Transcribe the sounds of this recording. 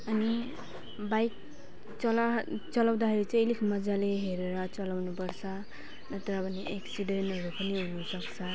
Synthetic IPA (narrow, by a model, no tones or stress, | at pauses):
ʌni | bajk̚ | t͡sʌlt͡sʌlaw̃d̪akʰeɾit͡sʌ̃likʰmʌd͡zaleɦeɾeɾʌt͡sʌlawnupʌɾt͡sʰʌ | nʌt̪ʌɾʌbʱʌniʔeksiɖenʈɦʌɾupʌniɦunusʌkt͡sʰʌ